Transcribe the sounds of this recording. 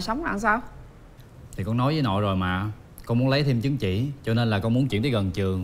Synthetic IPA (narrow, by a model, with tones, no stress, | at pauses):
jsə˨˦wŋ͡mla̰ː˧˨ŋsaː˧w | t̪ʰi˨˩kɔ˧nɔ˨˦jzəː˨˦jnɔ̰˧˨jzo˨˩jmaː˨˩ | kɔ˧nmu˨˦ənlə˨˦jt̪ʰe˧mt͡ɕɨ˨˦əŋt͡ɕḭ˧˨t͡ɕɔ˧ne˧nlaː˨˩kɔ˧nmu˨˦ənt͡ɕḭ˧˥ənt̪ʰːɣə˨˩nt͡ɕɨ˨˩əŋ